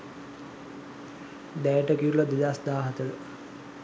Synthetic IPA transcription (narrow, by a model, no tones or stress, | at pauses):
d̪æːjəʈəkiɾulɐd̪id̪asd̪aːɦɐt̪ələ